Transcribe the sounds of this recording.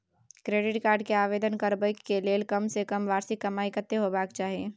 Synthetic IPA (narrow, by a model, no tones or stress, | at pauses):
kɾeːɖɪʈkaːɾɖ̚keaːʋeːd̪ənkəɾbəkːeleːlkəmsekəmʋaːɾsɪkːɐmaːikət̪ːeɦobaːkt͡ʃaːɦieː